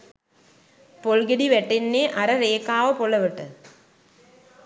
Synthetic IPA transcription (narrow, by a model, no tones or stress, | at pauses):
poɭɡɐɽiʋeʈːinːeʔɐɾɐɾeːkːaːʋɐpoɭːɐʋɐʈːɨ